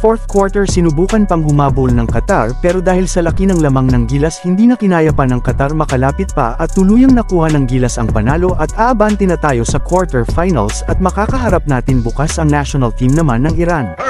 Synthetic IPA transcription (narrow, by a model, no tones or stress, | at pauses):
foɹθkwoɹt̪ɛɹsɪnʊbuːkɐnpɐŋɡʊmaːbʊlnɐŋkɐt̪aɹpɛːɾod̪aːhɪlsɐlɐkinɐŋlɐmaŋnɐŋɡiːlɐshɪnd̪iːnɐkɪnaːjɐpɐnɐŋkɐt̪aɾmɐkɐlaːpɪt̪̚pɐ̰ʔɐt̪ːʊluːjɐŋnɐkuːhɐnɐŋɡilɐsɐŋpɐnaːlo̞ʔɐt̪aːʔɐbant̪ɛnɐt̪aːjo̞sɐkwoɹt̪ɛɹfajnɐ̰lsɐt̪̚mɐkaːkɐɦɐɾap̚naːt̪ɪŋbʊkasɐŋnaʃonɐlt̪imnɐmanːɐŋɪɾan